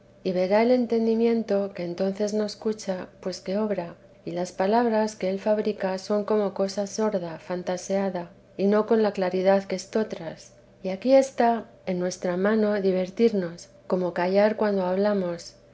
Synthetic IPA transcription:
iβe̞ɾae̞le̞nt̪e̞nd̪imjẽ̞nt̪o̞ke̞ːnt̪o̞n̟θe̞zno̞eskut͡ʃapwe̞ske̞o̞βɾa | ilaspalaβɾaske̞elfaβɾikaso̞ŋko̞mo̞ko̞saso̞ɾðafant̪ase̞aða | ino̞ko̞nlaklaɾiðaðkeest̪o̞t̪ɾas | iakie̞st̪a | e̞nːwe̞st̪ɾamãno̞ðiβe̞ɾt̪iɾno̞s | ko̞mo̞kaʝaɾkwand̪o̞aβ̞lamo̞s

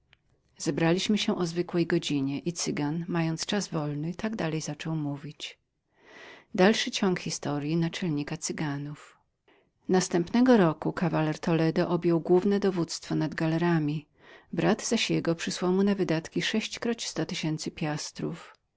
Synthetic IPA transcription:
z̥ɛbɾalʲiɕmɘɕɛʔɔzvɘkwɛjɡɔd͡ʑiɲɛʔit̪sɘɡanmajɔnt̪st͡ʂazvɔlnɘt̪aɡd̪alɛjzat͡ʂɔwmuvʲit͡ɕ | d̪alʂɘt͡ɕɔŋkxʲist̪ɔɾjinat͡ʂɛlɲikat̪sɘɡanuf | nast̪ɛmpnɛɡɔɾɔkukavalɛɾt̪ʰɔlɛd̪ɔʔɔbʲjɔwɡwuvnɛd̪ɔvut̪st̪fɔnad̪ɡalɛɾamʲi | bɾad̪z̥aɕjɛɡɔpʂɘswawmunavɘd̪at̪kʲiʂɛɕt͡ɕkɾɔt͡ɕi̥st̪ɔt̪ɘɕɛnt̪sɘpʲjast̪ɾuf

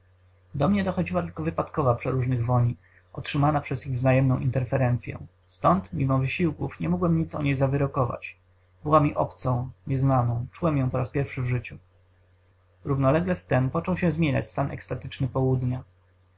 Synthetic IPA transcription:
d̪ɔmɲɛd̪ɔxɔd͡ʑiwat̪ɘlkɔvɘpat̪kɔvapʂɛɾuʐnɘɣvɔɲi | ʔɔtʂɘmanapʂɛziɣvznajɛmnɔ̃w̃ʔḭnt̪ɛɾfɛɾɛnt̪sʲjɛ̰̃ | st̪ɔnt̪mʲimɔvɘɕiwkufɲɛmɔɡwɛmɲit̪sɔ̰ɲejzavɘɾɔkɔva̰t͡ɕ | bɘwamʲiʔɔpt̪sɔ̃w̃ɲɛznanɔ̃w̃t͡ʂuwɛmjɔ̃w̃pɔɾaspʲjɛɾfʂɘvʐɘt͡ɕu | ɾuvnɔlɛɡlɛst̪ɛmpɔt͡ʂɔwɕɛ̃zmʲjeɲa̰t͡ɕst̪anʔɛ̰kst̪at̪ɘ̥t͡ʂnɘpɔwud̪ɲa

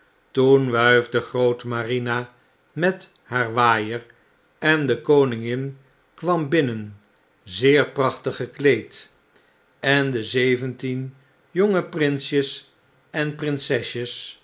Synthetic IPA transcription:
tunʋœɥvdəχrowtmarina | mɛt | haːɹʋaːjər | ɛndəkownɪŋɪn | kʋɑmbɪnən | zɪːɹprɑχtəχəklejt | ɛndəzejvəntin | joŋəprɪnsjəs | ɛnprɪnsɛʃəs

